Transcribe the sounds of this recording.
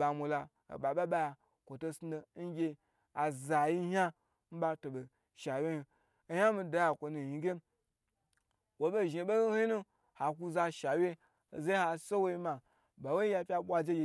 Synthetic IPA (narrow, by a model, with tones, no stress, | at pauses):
ba˨mʷo˨la˧ | o̰˨ɓa˨ɓa˦ɓa˦ja˧ | kʷo˨to˧sno˧˦n̩˦ɡʲe˧ | a˨za˨ji˦ha˦ | m̩˦ba˧to˨bo˨ | ʃa˨wʲe˦hi˧˦ | ha˦mi˧da˨ja˨kʷo˨nu˨ji˨ɡʲe˦ | wo˨be˦ʒe˨be˦hhi˦nu˦ | ha˨ku˧za˧ʃa˨wʲe˦˨ | za˦ha˨˧so˦wo˦i˧ma˨ | ba˨we˦i˦ja˧pʲa˧ɓʷa˧d͡ʒe˦ɡʲe˨